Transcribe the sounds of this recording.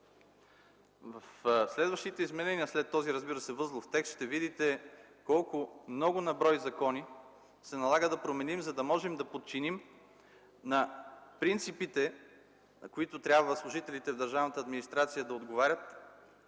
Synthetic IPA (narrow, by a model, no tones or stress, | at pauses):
vɐfslɛd̪vɐʃt̪it̪ɛizmɛnɛniəslɛt̪ːɔziɾəzbiɾəsɛvɤzlˠʊft̪ɛkst̪ʃt̪ɛvid̪it̪ɛ | kɔlˠkʊmnɔɡʊnɐbɾɔjzɐkɔni | sɛnɐlˠaɡəd̪ɐpɾomɛnimzɐd̪ɐmɔʒɛmd̪ɐpot̪̚t͡ʃinim | nɐpɾint̪sipit̪ɛ | nɐkʊit̪ʊt̪ɾʲabvəslˠʊʒit̪ɛlit̪ɛvd̪ɐɾʒavnət̪əɐːd̪minist̪ɾat̪sijəd̪ɐod̪ɡovaɾʲət̪